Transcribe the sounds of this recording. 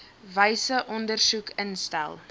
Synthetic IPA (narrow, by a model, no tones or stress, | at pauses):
vəjsəʔɔndərsukʰənstæ̰lˠ